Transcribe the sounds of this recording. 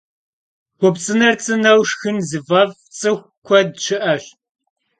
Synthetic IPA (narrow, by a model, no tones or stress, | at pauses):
ʁʷʊpt͡sʼɨnɐrt͡sʼɨnɐwʂxɨnzɨvɐv | t͡sʼɨxʷ | kʷʰɔdʃʰɨʔɐɕ